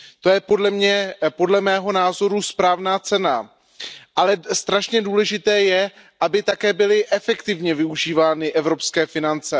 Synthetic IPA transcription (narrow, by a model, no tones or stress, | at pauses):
t̪o̞jɛpo̞dlɛmɲɛpo̞dlɛmɛːɦo̞naːzo̞ɾuspɾaːvnaːt͡sɛna | ʔalɛst̪ɾaʃɲɛduːlɛʒɪt̪ɛːjɛ | ʔabɪt̪akɛːbɪlɪʔɛfɛkt̪ɪvɲɛvɪuʒiːvaːnɪʔɛvɾo̞pskɛːfɪnant͡sɛ